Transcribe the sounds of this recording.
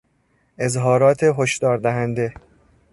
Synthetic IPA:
ʔe̞zɦɒːɾɒːt̪ʰeɦoʃd̪̥ɒːɾd̪æɦænd̪e̞

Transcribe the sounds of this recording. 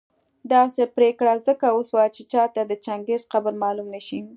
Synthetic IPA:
d̪ɑsepɾekɽazəkawoswat͡ʃet͡ʃɑt̪ad̪ət͡ʃaŋɡezqabəɾmɑlumnəʃi

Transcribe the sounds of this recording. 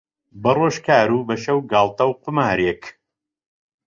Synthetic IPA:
bɐroːʃkaːɾuːbɐʃɐwɡaːlˠt̪ɐwqʊmaːɾek

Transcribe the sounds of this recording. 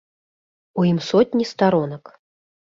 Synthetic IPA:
ujimsɔt̪ʲnʲist̪aɾɔnɐk

